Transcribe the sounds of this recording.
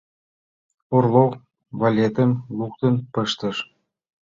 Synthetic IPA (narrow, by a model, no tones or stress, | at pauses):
orlo | βalʲet̪ə̆mluk̚t̪ə̆npəʃt̪ə̆ʃ